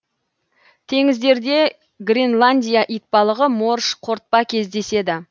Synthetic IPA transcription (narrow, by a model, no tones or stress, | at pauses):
t̪ʰe̞ŋɪzd̪e̞ɾd̪e̞ | ɡrʲinlˠanʲd̪ʲijaʔijt̪̚pɑlˠəʁəmo̞rʃqʰo̞ɾt̪̚pɑkʲʰe̞zd̪e̞se̞d̪ɪ